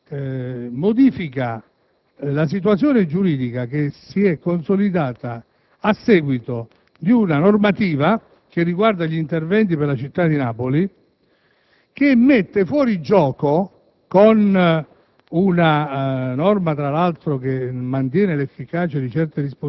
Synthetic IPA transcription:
mod̪iːfika | las̬it̪̬wat̪sːjoːned͡ʒuɾiːd̪ikakesiɛkːonsolid̪aːt̪aː | sːɛːɡwit̪o | d̪iunanormat̪iːva | k̟erːiɡward̪aʎint̪ervɛnt̪̬iperlat͡ʃit̪ːad̪inaːpoli | k̟emːet̪ːefwɔːɾid͡ʒɔːko | kon | unanɔrmat̪ɾalalt̪ɾokemːant̪̬jɛːnelefːikaːt͡ʃed̪it͡ʃɛrt̪eɾispo

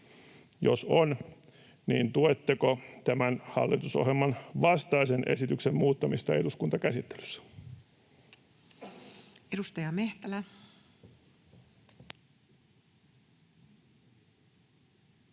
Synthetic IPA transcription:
jo̰son | niːnt̪uet̪ːekot̪æmænhɑ̰lːit̪uso̰ɦjelmɑnʋɑst̪ɑisenʔe̞̰sit̪yksemmuːt̪ːɑmist̪ɑe̞duskunt̪ɑkæsit̪ːe̥ly̥sːæ̥ | edust̪ɑjɑmeht̪ælæ

